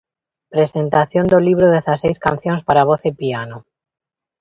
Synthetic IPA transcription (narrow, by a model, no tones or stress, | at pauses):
pɾesent̪aθjond̪oliβ̞ɾoðeθasejskanθjonspaɾaβ̞oθepiano